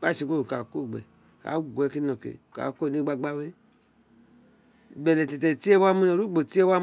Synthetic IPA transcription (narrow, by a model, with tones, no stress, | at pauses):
a˦˨ʃi˨ko˦˨u˨ka˨ko˦˨ɡ͡bɛ̰˨ | ka̰˨˦ɡʷɛ˨˦ki˦nɔ˨kḛ˨ka̰˨ko˦˨ni˦ɡ͡ba˧ɡ͡ba˦we˦˨ | bɛ˨lɛ˨tɛ˨tɛ˨ti˦e˦wa˦mu˦o˨ɾu˦ɡ͡bo˨ti˦e˦wa˦